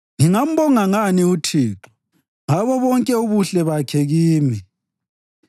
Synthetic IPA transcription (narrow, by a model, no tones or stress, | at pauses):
ŋiŋam̩bɔŋaŋaniutʰiːǁu̥ | ŋaβɔβɔŋkʼɛuβuɬɛβakʰɛɣiːmi